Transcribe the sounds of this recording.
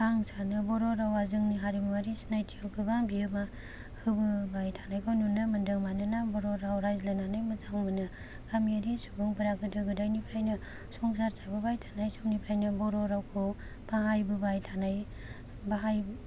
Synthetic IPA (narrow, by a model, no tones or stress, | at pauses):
baŋsanɯbɔɾɔɾawazɯŋniɦaɾimaɾisnajtʰiawɡɯbaŋbiɯma | hɯbɯbajtʰḁnajkʰawnunɯmɯndɯŋmanɯnabɔɾɔɾawɾajzlananajmɐzaŋmɯnɯ | kamiaɾisubɯŋbɯɾaɡɯdɯɡɯdajnipʰɾajnɯ | sɔŋsaɾsajbɯbajtʰḁnajsumnipʰɾajnɯbɔɾɔɾawkʰɯ | paɦajbɯbajtʰanaj | baɦaj